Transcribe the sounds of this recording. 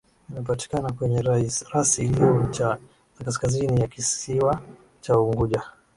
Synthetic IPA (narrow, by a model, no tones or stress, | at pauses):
inap̬ati̥kanakwɛɲɛɾaiɾasiliɔt͡ʃa | akas̬kazinijakisiwa | t͡ʃauŋɡuʄa